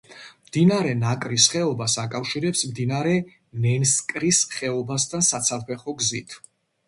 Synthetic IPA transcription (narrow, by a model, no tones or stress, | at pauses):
md̪̥inaɾɛnakʼɾisχɛɔbasakʼafʃiɾɛpsmd̪inaɾɛ | nɛnskʼɾisχɛɔbast̪ʰansat̪sʰapʰɛχɔɡzit̪ʰ